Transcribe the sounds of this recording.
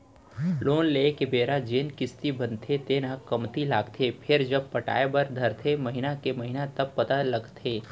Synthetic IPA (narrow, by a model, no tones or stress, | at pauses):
loːnleːkebeːɾad͡ʒeːnkɪst̪ibɐ̃nt̪ʰet̪eːnakɐmt̪ilaːɡt̪ʰepʰɪɾd͡ʒɐb̚pɐʈa̰ːebɐɾd̪ʱɐɾt̪ʰemɐɦɪnakemɐɦɪnat̪ɐb̚pɐt̪alɐɡt̪ʰeː